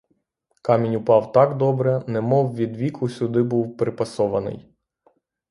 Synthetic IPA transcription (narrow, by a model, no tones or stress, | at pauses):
kɑmʲinʲʊpɑwt̪ɑkd̪ɔbɾɛnɛmɔwʋʲid̪ʋʲikʰʊsʲʊd̪ɪbuwpɾɪpɐsɔʋɐnɪ̰j